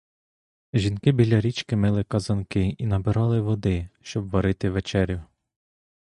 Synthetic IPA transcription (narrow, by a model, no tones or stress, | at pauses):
ʒʲinkɪbʲilʲɐɾʲit͡ʃkɪmɪlˠɪkɐzɐnkɪinɐbɪɾɑlˠɪʋɔd̪ɪʃt͡ʃɔbʋɐɾɪt̪ɪʋet͡ʃɛɾʲjʊ